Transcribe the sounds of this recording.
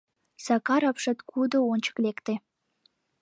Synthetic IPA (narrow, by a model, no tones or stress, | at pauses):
sɑkɑɾɑpʃɑt̪kʰud̪ŏonʲt͡ɕə̥klʲekt̪e